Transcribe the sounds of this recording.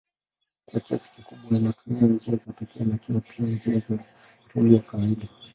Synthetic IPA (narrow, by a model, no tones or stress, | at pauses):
kwakia̰si̥kikuɓwaninatumiaɲd͡ʒɛazapɛkɛalakiapʰiand͡ʒɛaza | ɾuliakawaiɗa